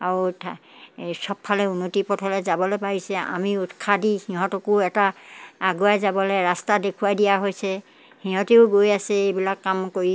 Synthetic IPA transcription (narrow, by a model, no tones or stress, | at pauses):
aɹutʰ | sɔbʰalɛunːotipɔtʰɔlɛzabɔlojpaɦisɛa̰miutkʰadihĩɦɔ̃tɔkʊɛtaːɡuajzabɔlɛɹastadekʰuwajdijaɦojsɛ | hĩɦɔ̃teʊɡojasɛejbilakːamkoɹi